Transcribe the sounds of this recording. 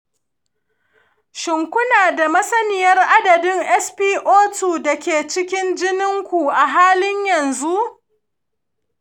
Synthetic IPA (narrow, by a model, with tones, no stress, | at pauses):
ʃɪ˨ŋkʷʊ˦naː˨da˨mɐ˦sɐ˦nɪ˨jɐ˦rʔa˦dɐ˨dɪ˦ŋʔɛ˦spiː˦ʔoː˦tuː˨da˨kʲeː˨t͡ʃɪ˦kʲɪ˦nd͡ʒɪ˦nɪ˦ŋkʷu˨ʔa˨ɦaː˦lɪ˦ɲjɐ˨nzu˦ʔ